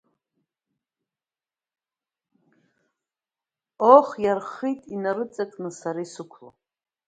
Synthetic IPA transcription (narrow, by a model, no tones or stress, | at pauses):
oχjarχitʼinaɾɨt͡sʼakʼnɨsaɾisɨkʷʰlo̰